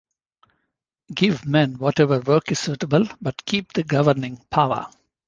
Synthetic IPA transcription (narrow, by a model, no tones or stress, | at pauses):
ɡɪʋmɛ̃nʋɔʈɛʋəɾʋəːkɪssuːʈəbəlbʌʈkʰiːp̚d̪̥əɡʌʋəɾnɪ̃ŋpʰaʊə̰